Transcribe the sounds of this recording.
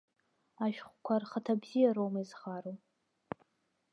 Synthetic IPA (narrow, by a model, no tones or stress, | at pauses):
aʃᶣχʷkʷʰarχatʰabzijaɾowmizχaɾo